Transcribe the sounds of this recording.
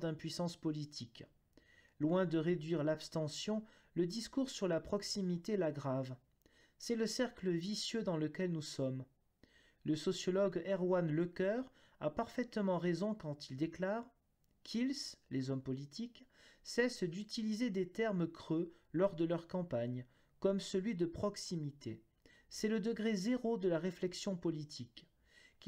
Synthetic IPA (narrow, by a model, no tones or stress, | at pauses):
d̪ɛ̃pɥisɑ̃spɔlit̪ʰik | lwɛ̃d̪əʁed̪ɥiʁlapst̪ɑ̃sjɔ̃ | ləd̪iskuʁsyʁlapχɔksimit̪elaɡʁav | sɛləsɛʁkləvisjød̪ɑ̃ləkʲɛlnusɔm | ləsɔsjɔlɔɡɛʁwanləkœʁ | apaʁfɛt̪mɑ̃ʁezɔ̃kɑ̃t̪ild̪eklaːʁ | kʰilslezɔmpɔlit̪iksɛsd̪yt̪ilized̪et̪ɛʁmkχø | lɔʁd̪əlœʁkɑ̃paɲ | kɔmsəlɥid̪əpχɔksimit̪ʰe | sɛləd̪əɡʁezeʁod̪əlaʁeflɛksjɔ̃pɔlit̪ʰik